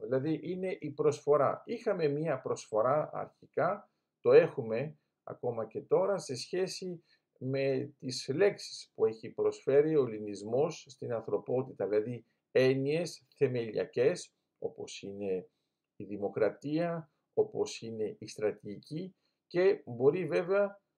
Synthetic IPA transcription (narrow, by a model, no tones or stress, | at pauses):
ilɐðiʔine̞ʔipɾo̞sfo̞ɾɐ̰ixɐme̞miɐpɾo̞sfo̞ɾɐɐ̰ɾçikɐ | t̪o̞e̞xume̞ | ɐ̰ko̞mɐce̞t̪o̞ɾɐse̞sçe̞si | me̞t̪isle̞ksi̥spue̞çipɾo̞sfe̞ɾio̞linizmo̞sst̪inɐnθɾo̞po̞t̪it̪ɐðilɐði | e̞nie̞sθe̞me̞lḭɐ̰ce̞s | o̞po̞sine̞ | iðimo̞kɾɐt̪iɐ | o̞po̞sine̞ist̪ɾɐt̪iʝici | ce̞bo̞ɾive̞ve̞ɐ